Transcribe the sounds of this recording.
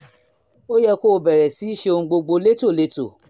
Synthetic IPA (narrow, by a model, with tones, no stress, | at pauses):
o˦jɛ˧ko˦˧bɛ˨ɾɛ˨si˨˦i˦˨ʃe˧o˧ŋ̩̃˧ɡ͡bo˧ɡ͡bo˧le˦to˦˨le˧˦to˨